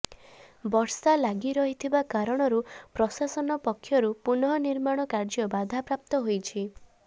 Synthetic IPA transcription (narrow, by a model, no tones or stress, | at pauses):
bɔɾsalaɡiɾɔɦit̪ʰibakaɾɔɽ̃ɔɾupɾɔsasɔnɔpɔkʰːjɔɾupunɔɦɔniɾmaɽ̃ɔkaɾd͡ʒɔbad̪ʱapɾap̚t̪ɔɦojt͡ʃʰi